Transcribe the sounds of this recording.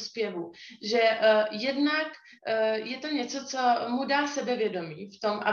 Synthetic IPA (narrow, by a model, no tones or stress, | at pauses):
spjɛvuʒɛjɛdnak | jɛt̪o̞ɲɛt͡so̞t͡somudaːsɛbɛvjɛdo̞miːft̪o̞mʔa̰